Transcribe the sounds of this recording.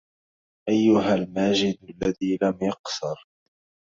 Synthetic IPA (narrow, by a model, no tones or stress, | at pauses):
ʔajːʊɦalmaːd͡ʒɪd̪alːaðiːlamjɑqsʊɾ